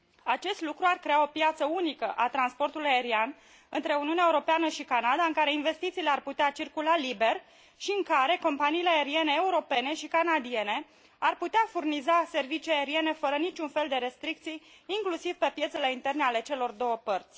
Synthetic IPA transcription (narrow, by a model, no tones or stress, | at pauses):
at͡ʃe̞st̪lukɾuarkɾe̞ao̞pjat̪səunikəʔat̪ɾanspo̞rt̪ulujae̞ɾian | ɨnt̪ɾe̞uniunʲaeuɾo̞peanəʃikanad̪aɨŋkaɾe̞inve̞st̪it̪siːle̞arput̪eat͡ʃirkulalibe̞rʲ | ʃiɨŋkaɾe̞ko̞mpaniːleae̞ɾie̞ne̞ːuɾo̞pe̞ne̞ʃikanad̪ie̞ne̞ | arput̪eafurnizase̞rvit͡ʃiaeɾie̞ne̞fəɾənit͡ʃʲunfe̞ld̪e̞ɾe̞st̪ɾik̚t̪sij | iŋklusivpe̞pje̞t̪sele̞int̪e̞rneale̞t͡ʃe̞lo̞rd̪o̞wəpərt̪sʲ